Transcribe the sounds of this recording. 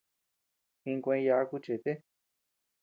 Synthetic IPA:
hĩ˧ŋkʷẽ˧ja˧a˦˧ku˦t͡ʃe˨t̪e˦

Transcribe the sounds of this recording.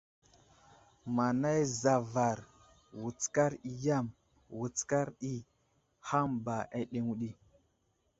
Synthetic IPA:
ma˨na˦jza˨va˨ɾ | wu˨t͡ska˦ɾi˨ja˦˨m | wu˨t͡ska˦ɾɗi˦ | ha˦mba˨ʔa˦ɗe˦ŋu˦ɗi˦

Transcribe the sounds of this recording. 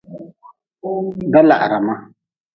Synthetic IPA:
ɡa˦la̰˨ʔa˨ɾa˨ma˦

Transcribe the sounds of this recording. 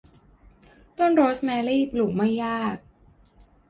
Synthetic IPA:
t̪o˥˩˨nɾoː˦˥smɛː˧liː˥˩plu˨˩k̚ma˥˩jːaː˥˩t̚

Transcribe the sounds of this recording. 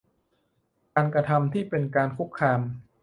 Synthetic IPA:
kaː˧nkɾa˧t̪ʰa˧mt̪ʰiː˥˩pe˧nkaː˧nkʰu˦˥kʰːɾaː˧m

